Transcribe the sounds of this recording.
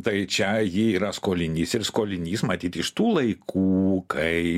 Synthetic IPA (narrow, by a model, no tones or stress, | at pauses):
t̪ɐɪt͡ʃʲɛjiːiːɾɐskoːlʲɪnʲiːsɪɾskoːlʲɪnʲiːsmɐt̪ʲiːt̪ʲɪʃt̪uːlˠɐɪkʰuːkʰɐɪ